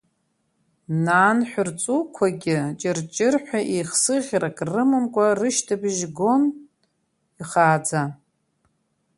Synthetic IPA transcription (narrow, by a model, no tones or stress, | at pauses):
naːnħʷᶣʊrt͡sʼukʷʰaɡʲɪt͡ʃʼɪrt͡ʃʼɪrħʷᶣaʔiχsɨʁʲrakʼrɨmɨmkʷʼarɨʃtʰabʒɡo̞n | iχaːd͡za